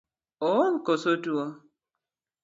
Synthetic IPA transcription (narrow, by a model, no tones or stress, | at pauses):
oŋ̩kosotuɔ